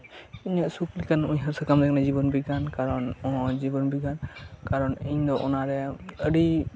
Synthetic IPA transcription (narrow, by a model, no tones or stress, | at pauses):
iɲaʔsuklikanuɲɦaɾsɛkamd̪ɛk̚nad͡ʒibɔnbiɡankaɾɔnɔɦɔd͡ʒibɔnbiɡankaɾɔniɲd̪ɔʔɔnaɾɛəɖi